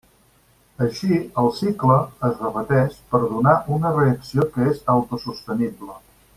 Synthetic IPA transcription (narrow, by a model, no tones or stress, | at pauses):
əʃiəlˠsikləəzrəpət̪ɛʃpəɾðunaʔunəreəksiokəezəwt̪usust̪əniblə